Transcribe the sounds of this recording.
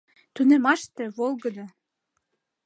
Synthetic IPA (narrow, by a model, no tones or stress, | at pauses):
t̪unemɑʃt̪eβolˠɡɤ̆d̪ɑ